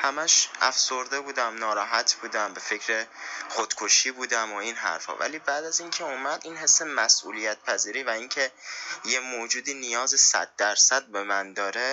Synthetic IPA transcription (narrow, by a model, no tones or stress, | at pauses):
hæmæʃʔæ̰fsoɾd̪e̞buːd̪æmnɒːɾɒːɦæt̪ʰbuːd̪æmbe̞fe̞cʰɾexod̪̥kʰoʃiːbuːd̪æmoinɦæ̰ɾfhɒ̰ːvæ̰liːbæːd̪æzincʰeuːmæd̪inhe̞sːemæsʔṵːlijæt̪̚pʰæziːɾiːvæincʰe̞jemoːd͡ʒuːd̪iːnijɒːzesæ̰d̪̚ːæɾsæd̪̚be̞mænd̪ɒːɾe̞